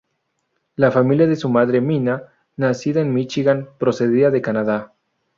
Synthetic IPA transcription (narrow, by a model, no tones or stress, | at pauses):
lafamiljaðesumaðɾe̞mina | nasiðaenmit͡ʃiɣanpɾo̞se̞ðiaðe̞kanaða